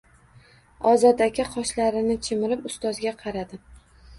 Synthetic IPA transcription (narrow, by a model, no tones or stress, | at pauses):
ɒzɒt̪akʲaqʰɒʃlaɾɪnɪt͡ʃʰɪmɪɾɪpʊst̪ɒzɡʲaqʰɑɾad̪ɪ